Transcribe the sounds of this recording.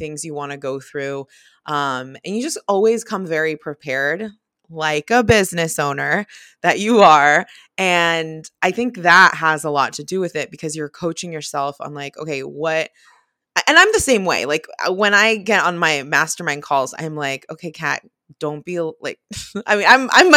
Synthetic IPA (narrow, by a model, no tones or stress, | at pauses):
θɪ̃ŋzjɨwɑ̃nɨɡoʊθɹʉ | ʔʌ̃mɨ̰̃njɨd͡ʒʌstɔlˠwiz̥kʰʌ̃ɱvɛɹipʰɹ̥ipʰɛɹd | laɪkəbɪznɨsõʊ̃nə˞ | ðɨt͡ʃɨə˞ | ɨ̃nʔaɪθɪ̃ŋk̚ðət̚ɦəzəlɔtʰɨdɨwɨðɪt̚b̥ɨkʰʌzjə˞kʰoʊt͡ʃɪ̃ŋjə˞sɛlˠfã̰ɪ̃mlaɪko̰ʊkʰeɪwʌt̚ | aʔɨ̃nãɪ̃mðɨsẽɪ̃mwḛɪlaɪkwə̃ñaɪɡɛɾn̩maɪmæstə˞mæ̃ɪ̃nkʰɔlˠz̥ã̰ɪ̃mlaɪkoʊkʰeɪkʰæ̰t̚ | d̥õʊ̃nb̥ila̰ɪk̚aɪmĩnãɪ̃mʔã̰ɪ̃m